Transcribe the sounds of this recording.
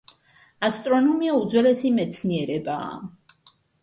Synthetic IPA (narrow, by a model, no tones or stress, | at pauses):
ast̪ʼɾɔnɔmiaud̪zwɛlɛsimɛt̪sʰniɛɾɛba̰ː